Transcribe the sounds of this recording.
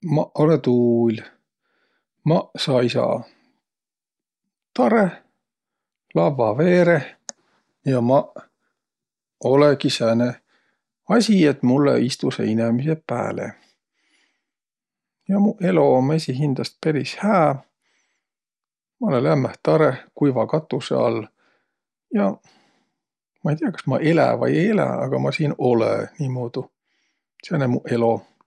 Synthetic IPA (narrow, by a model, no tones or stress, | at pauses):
mɑolet̪uːlʲ | mɑsɑjisɑ̰ | t̪ɑɾe | lɑvːɑve̞ːɾe | jɑmɑ | o̞lekisæne | ɑsʲiet̪mulːḛist̪usḛinemisepæ̰ːlḛ | jɑmuʔe̞lo̞mesʲiɦind̪̥ɑst̪̚peɾishæː | mɑolelæmːæht̪ɑɾekujvɑkɑt̪ːˑusḛɑ̰lː | jɑ | mɑejt̪iɑkɑ̥smɑ̰ʔe̞læ̰vɑ̰jelæ̰ɑ̰ɡ̥ɑmɑsiːno̞lḛniːmoːd̪̥u | senemuʔe̞lo̞